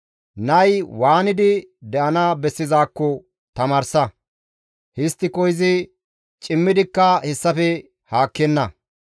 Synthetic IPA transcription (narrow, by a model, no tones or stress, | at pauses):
nɐjwaːnɪd̪ɪd̪ɛʔɐnaːbɛsːɪzaːkːɔ | t̪ɐmaːɾsɐ | hɪst̪ːɪkɔjɪzɪ | t͡ʃʼɪmːɪd̪ɪkːɐhɛsːɐfɛ | haːkːɛnːɐ